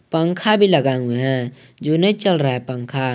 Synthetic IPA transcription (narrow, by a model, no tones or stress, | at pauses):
pə̃ŋkʰabʱiləɡãɡuɦɛ̃ | d͡ʒonəit͡ʃəlɾaɦɛpə̃ŋkʰa